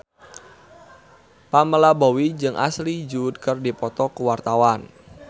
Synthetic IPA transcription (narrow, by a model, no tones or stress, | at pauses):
paməlabowid͡ʒɨŋʔa̰slid͡ʒud̪̚kərdipɔt̪ɔkəwart̪awan